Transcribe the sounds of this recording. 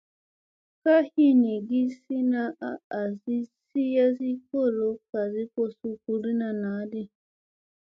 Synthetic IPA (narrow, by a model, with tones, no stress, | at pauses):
ka˦hi˦˨ni˨ɡi˦si˦na˦a˦a˨zi˦si˦ja˦zi˦ko˦˨ɾo˨˦ka˨zi˦ko˦˨su˦ku˨ɾi˦na˨na˨˦di˦